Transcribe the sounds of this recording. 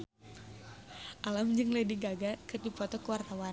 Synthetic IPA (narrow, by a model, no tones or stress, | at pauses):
ʔalamd͡ʒɨŋlediɡaɡakɨrdipɔt̪ɔkəwart̪awan